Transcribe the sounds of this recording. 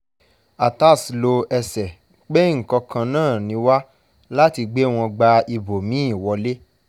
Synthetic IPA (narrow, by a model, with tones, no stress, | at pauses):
a˨ta˦˨slo˧ɛ˧sɛ˨ | k͡pe˦ŋ̩˨kɔ˧kã˧nãː˦˨nĩ˧˦wa˦ | la˦ti˧ɡ͡be˦˨w̃ɔ̃˧ɡ͡ba˧i˧bo˨mĩ˨˦i˦˨wɔ˨˧le˦